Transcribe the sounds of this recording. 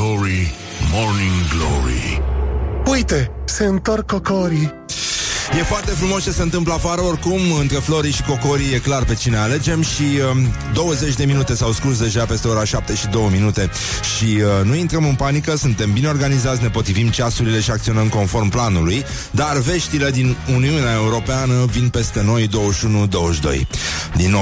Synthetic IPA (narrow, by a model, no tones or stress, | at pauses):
oɾi | morniŋɡlo̰ɾḭ | ujt̪e̞se̞ɨnt̪orkːokoɾi | je̞foart̪e̞fɾumo̞st͡ʃesəeɨnt̪ɨmpləafaɾəo̞rkumɨnt̪ɾe̞flo̞ɾiʃi̥ko̞ko̞ɾije̞klarpe̞t͡ʃine̞ale̞d͡ʒe̞mʃiəd̪o̞wəze̞t͡ʃʲd̪e̞minut̪e̞sawskus̬d̪e̞ʒape̞st̪e̞oɾaʃap̚t̪e̞ʃid̪o̞wəminut̪e̞ | ʃiənuint̪ɾəmɨnpanikəsunt̪e̞mbine̞orɡanizat̪sʲnepo̞t̪ɾivimt͡ʃasuɾile̞ʃiakt̪sio̞nəmko̞nfo̞rmplanuluj | d̪arve̞ʃt̪ile̞d̪inuniuneae̞uɾo̞peanəvinpe̞st̪e̞no̞jd̪o̞wəʃunud̪o̞wəʃd̪o̞̰jd̪inːo